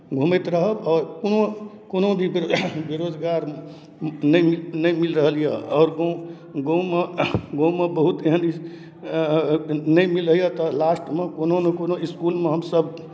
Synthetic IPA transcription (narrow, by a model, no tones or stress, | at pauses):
ɡʱumet̪ɾəɦəbɔːɾkono | konobʱibeɾod͡ʒɡaɾ | nəminəimilɾəɦəlijɛɔːɾɡo | ɡomeɡõmebəɦut̪eɦəni | nəimilɾəɦijɛt̪ɔlasʈmekononekonoiskulmeɦəmsəbʱ